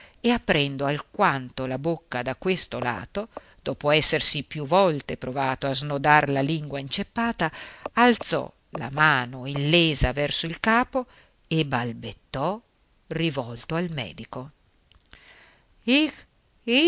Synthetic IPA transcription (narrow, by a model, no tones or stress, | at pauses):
eapːɾɛnd̪oalkwant̪olabokːad̪akwest̪ola̰ːt̪o | d̪̥ɔːpoɛsːersipjuvɔlt̪epɾovaːt̪oaznod̪arlaliŋɡwaint͡ʃepːaːt̪aːlt̪sɔ̰ | la̰maːnoilːeːzavɛrsoilkaːpo | ebalbet̪ːɔ | rivɔlt̪oalmɛ̰ːd̪iko